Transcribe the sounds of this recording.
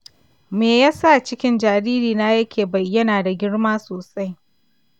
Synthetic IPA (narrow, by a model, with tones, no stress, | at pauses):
meː˨jaː˦sa˦˨t͡ʃɪ˦kʲɪ˦nd͡ʒaː˨ɾiː˦ɾiː˨naː˦jɐ˦kʲeː˨bɐ˨jːɐ˦naː˨da˨ɡʲɪ˦ɽmaː˦soː˨sa˦j